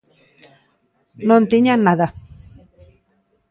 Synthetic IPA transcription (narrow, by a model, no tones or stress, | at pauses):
nont̪iɲanaða